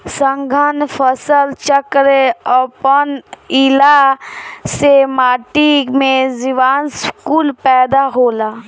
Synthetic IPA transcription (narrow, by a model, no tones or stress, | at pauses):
səŋɡʱənfʰəsəlt͡ʃəkɾeəpənila | semaːʈimẽziʋaːnskuːlpɛːd̪aɦoːlaː